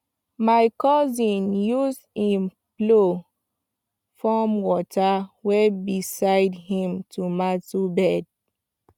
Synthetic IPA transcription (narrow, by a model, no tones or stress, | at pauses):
maɪkɔzĩnjus | ĩm | plo | fɔmwɔtawebisaɪdhĩmtʰumatubɛd̚